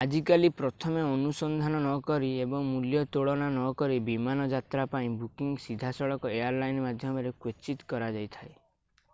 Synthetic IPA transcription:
ad͡ʒikalipɾɔt̪ʰɔmeɔnusɔnd̪ʱanɔnɔkɔɾiebɔŋmuljɔt̪oɭɔnanɔkɔɾibimanɔd͡ʒat̪ɾapaĩbukiŋɡsid̪ʱasɔɭɔkɔejaɾlajnmad̪ʱjɔmɔɾekwet͡ʃit̪kɔɾad͡ʒajt̪ʰae

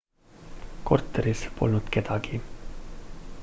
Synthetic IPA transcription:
ko̰rt̪ːˑeɾispo̞̰lnut̪ke̞d̪̥ɑɡi

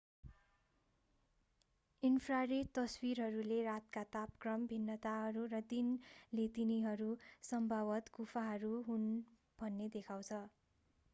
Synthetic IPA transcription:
inpʰraɾet̪ʌswirɦʌɾulerat̪kat̪apkrʌmbʱinːʌt̪aɦʌɾurʌd̪inlet̪iniɦʌɾusʌmbʱabʌt̪kupʰaɦʌɾuɦun | b̥ʱʌnːed̪ekʰaw̃t͡sʰʌ

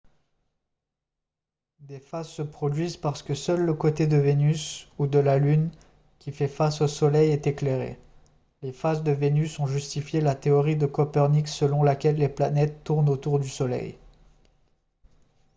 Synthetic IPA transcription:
d̪efazsəpχɔd̪ɥizpaʁsə̥kəsœlːəkot̪ed̪əvenysud̪əlalyn | kʲifɛfasosɔlɛjɛt̪ekleʁḛ | lefazd̪əvenysɔ̃ʒyst̪ifjelat̪eɔʁid̪əkɔpɛʁniksəlɔ̃lakʲɛlːeplanɛt̪ːuʁnot̪uʁd̪ysɔlɛ̰j

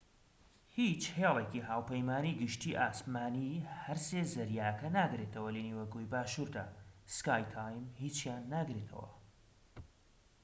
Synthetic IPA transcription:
hit͡ʃhelˠekiɦaːwpɐjmaːniːɡɨʃt̪iːʔaːsmaːnihɐɾseːzɐɾjaːkɐnaːɡɾet̪ʰɐwɐleniwɐɡojbaːʃuːɾd̪aːskaːjt̪ʰaːjmhit͡ʃjaːnːaɡɾet̪ʰɐ̰wɐ̰

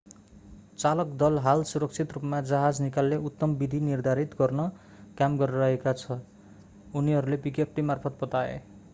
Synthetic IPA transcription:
t͡salʌkd̪ʌlɦalsuɾʌk̚t͡sʰit̪rupmad͡zʌɦad͡znikalːeʔut̪ːʌmbid̪ʱinird̪ʱaɾit̪ɡʌrnʌ | kamɡʌɾɾʌɦekat͡sʰʌ | uniɦʌɾulepikep̚ʈimarpʰʌt̪̚bʌt̪aḛ

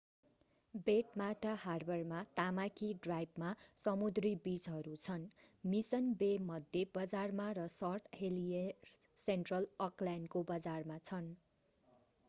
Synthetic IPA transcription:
beʈmaʈaɦarbʌrmat̪amakʰiɖrajbmasʌmud̪ribit͡sɦʌɾut͡sʰʌnmisʌnbemʌd̪ʱjebʌd͡zarmaɾʌsʌrʈ̪ʰhelie | senʈrʌlʌklankobʌd͡zarmat͡sʰʌn

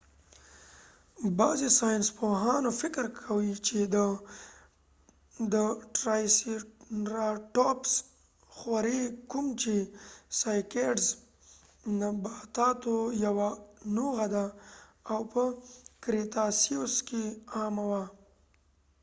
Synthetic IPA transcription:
bɑzesɑjɪnspoɦɑnofɪkɾkʰawit͡ʃed̪ə | d̪əʈɾɑjsiɾaʈɔps | xwaɾekumt͡ʃesajkeɖz | nəbɑt̪ɑt̪ojawanoɣad̪aawpəkɾet̪ɑsioskeɑmawa

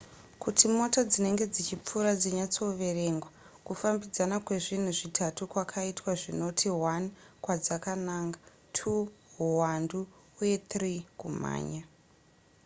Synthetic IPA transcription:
kutimo̞tad͡zine̞ŋɡe̞d͡zit͡ʃip͡fuɾad͡zeɲat͡so̞ʋe̞re̞ŋɡwa | kufambid͡zanakwe̞ʐin̤uʐitʰatukwakʰaitwaʐino̞tʰiwankwad͡zakanaːŋɡa | tʰuɦuwanduː | je̞t̪rikuma̰ːɲa

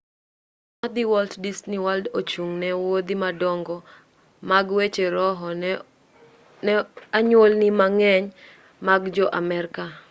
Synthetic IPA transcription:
ad̪iwɔlddisniwaldot͡ʃuŋnɛwod̪imadɔŋɡɔ | maɡwet͡ʃeɾɔɦɔ | nɛaɲwolnimaŋɛɲ | maɡd͡ʒɔʔamɛɾka

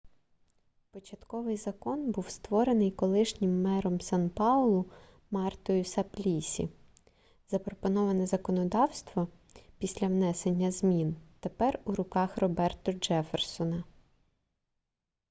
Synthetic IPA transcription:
pɔt͡ʃɐt̪kɔʋɪjzɐkɔnbuwst̪ʋɔɾenɪjkɔlˠɪʃnʲɪmːɛɾɔmsɑnpɑɔlˠʊ | mɑrt̪ɔjʊsɐplʲisʲḭ | z̥ɐpɾɔpɔnɔʋɐnɛzɐkɔnɔd̪ɑwst̪ʋɔ | pʲisʲlʲɐwnɛsenʲːɐz̥mʲint̪epɛruɾʊkɑxrɔbɛrt̪ɔd͡ʒɛfersɔnɐ

